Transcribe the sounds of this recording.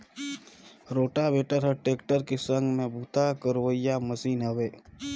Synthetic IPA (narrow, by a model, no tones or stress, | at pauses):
ɾoːʈabeːʈəɾɦəʈeːkʈəɾkesə̃ŋɡmẽbuːt̪akəɾʋəɪjaməsiːnɦəʋeː